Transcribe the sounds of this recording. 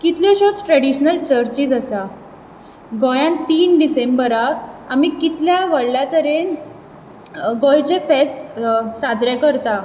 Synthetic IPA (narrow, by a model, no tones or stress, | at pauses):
kit̪lɔɕot͡sʈɾəɽiɕnəlt͡ɕəɾt͡ɕiːd͡zəsa | ɡɔjãnt̪iːnɖisembəɾaamikit̪ljaʋəɽljat̪əɾen | ɡɔjd͡ʑefɛt͡ssad͡zɾakəɾt̪a